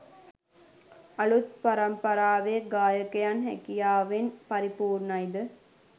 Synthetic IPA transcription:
ɐɭut̪̚pɐɾɐmpɐɾaːʋeːɡaːjəkejanɦækijaːʋenpɐɾipuːɾnɐjd̪ɨ

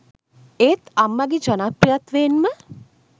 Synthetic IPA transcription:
eːt̪amːaɡid͡ʒənapɾijat̪ʋeːnmə

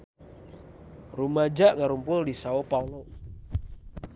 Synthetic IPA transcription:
rumad͡ʒaʔŋaɾumpʊldisaopaunɔ

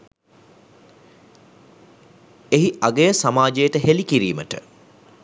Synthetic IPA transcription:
eɦiʔaɡejəsamaːd͡ʒejəʈəɦelikiɾḭːməʈə̰

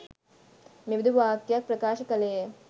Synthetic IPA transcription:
mibd̪uʋaːkjak̚pɾɐkaːʃɐkɐleː

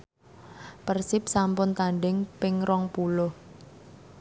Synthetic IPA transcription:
pərsɪp̚sampʊnt̪aɳɖɪŋpɪŋrɔŋpulɔh

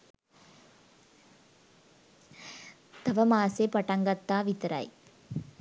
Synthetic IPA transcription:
t̪ɐʋɐmaːseːpɐʈɐŋɡɐt̪ːaːʋit̪ɾa̰j

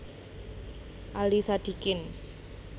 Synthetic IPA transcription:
ʔalisad̪̥i̤kɪn

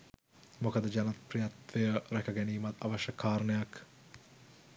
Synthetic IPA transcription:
mokəd̪əd͡ʒanɐt̪prijɐt̪ʋejəɾækɐɡɛniːmɐt̪ɐ̰ʋɐʃɐkʰːaːɾnəjak

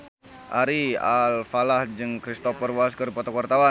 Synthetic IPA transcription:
ʔaɾialfalahd͡ʒɨŋkɾist̪ɔpərwaskərpɔt̪ɔkwart̪awa

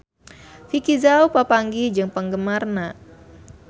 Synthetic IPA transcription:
fikizaupapaŋɡid͡ʒɨŋpəŋɡəmarna

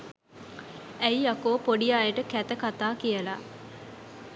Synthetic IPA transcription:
æjjakoːpoɖijaːjəʈəkæt̪əkat̪aːkijəla

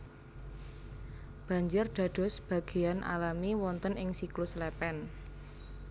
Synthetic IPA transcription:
b̥ä̤ɲd͡ʒʊrɖ̪̥a̤d̥ɔ̤sb̥ä̤ɡ̥e̤janʔa̰lamiwɔnt̪ənɪŋsiklʊslɛpɛn

